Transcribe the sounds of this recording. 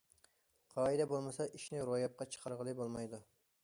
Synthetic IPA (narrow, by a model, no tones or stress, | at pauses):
qʰɑːid̪ɛbolˠmɨsɑʔiʃnɪɾojɑp̚qɑt͡ʃʰə̥qʰɑɾʁəlˠɨbolˠmɑjd̪u